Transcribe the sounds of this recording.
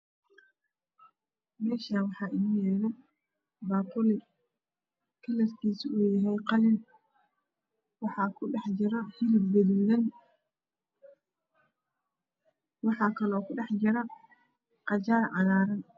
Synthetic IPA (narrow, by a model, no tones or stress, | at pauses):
mɛːʃaːnwɑħɑːʔɪniːjɛːðɐ | baːpʊlɪ | kʰɐlɐrkʰiːsiuːjɐɦɛjqɑlɪn | wɑħɑːkʰʊɖɛħd͡ʒɪɾɐhɪlɪbbɛðuːðɐn | wɑħɑːkʰɐlɔːkʰʊɖɛħd͡ʒɪɾɐ | qɑt͡ʃaːrʕɑnaːɾɐn